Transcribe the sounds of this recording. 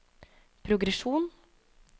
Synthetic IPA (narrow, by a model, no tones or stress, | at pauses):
pʰɾʊɡɾɛʂuːn